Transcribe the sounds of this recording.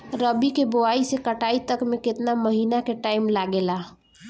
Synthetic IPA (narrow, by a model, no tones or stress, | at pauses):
ɾəbikeboaisekəʈait̪əkmekɪt̪naməɦiːnakeʈaɪmlaɡela